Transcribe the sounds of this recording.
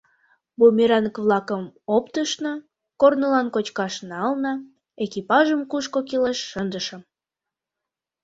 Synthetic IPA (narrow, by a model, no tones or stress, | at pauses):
bumʲiɾɑnəkβlɑkəmopt̪əʃnə | kornolɑnkot͡ɕkɑʃnɑlnɑ | ekipɑʒəmkuʃkokileʃːənd̪əʃə̆m